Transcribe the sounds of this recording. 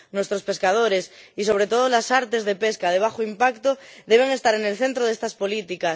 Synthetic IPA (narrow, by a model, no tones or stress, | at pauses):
nwe̞st̪ɾospe̞skað̞oɾesiso̞β̞ɾe̞t̪oð̞olasaɾt̪e̞zðe̞peskað̞eβ̞axoimpakt̪oðe̞β̞e̞ŋe̞st̪aɾe̞nelθe̞nt̪ɾoðest̪aspolit̪ikas